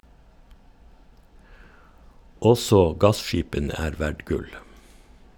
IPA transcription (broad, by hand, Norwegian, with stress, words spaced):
ˈɔsɔ ˈɡɑsˌʃiːpənə ˈæːɾ ˈʋæɖ ˈɡʉl